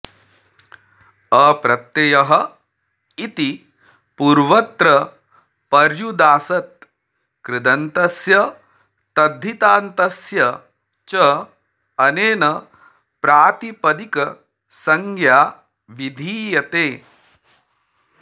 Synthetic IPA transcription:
ɐpɾɐt̪ːejɐɦɐ | it̪i | puːɾʋɐt̪ɾɐ | pɐɾjud̪aːsɐt̪̚ | kɾɪd̪ɐnt̪ɐsjɐ | t̪ɐd̪ʱːit̪aːnt̪ɐsjɐ | t͡ʃɐː | neːnɐ | pɾaːt̪ipɐd̪ikɐ | sɐŋɡʱjaː | ʋid̪ʱiːjɐt̪eː

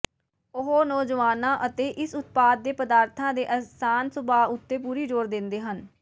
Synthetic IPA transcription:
ʊɦoːnɔːd͡ʒəʋaːnãːʔət̪eːʔɪsʊt̪̚paːd̪̚ːeːpəd̪aːɾt̪ʰãːd̪eːʔəsaːnsʊbaːʊt̪ːeːpuːɾiːd͡ʒoːɾd̪ɪnd̪eːɦən

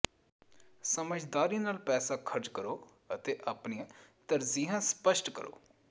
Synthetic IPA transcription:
səməd͡ʒd̪aːɾiːnaːlpɛːsaːkʰəɾd͡ʒkəɾoː | ət̪eːʔaːpniːãːt̪əɾziːɦãːspəʃʈkə̰ɾo̰ː

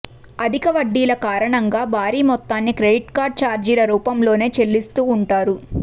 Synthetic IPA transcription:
ɐd̪ʱikɐʋɐɖːiːlɐkaːɾɐɳɐŋɡaːbʱaːɾiːmɔt̪ːaːnːikɾe̞ɖiʈkaːɾɖ̚t͡ʃaːɾd͡ʒiːɾɐɾuːpɐmlo̞ːne̞ːt͡ʃe̞lːist̪uːɳʈaːɾu

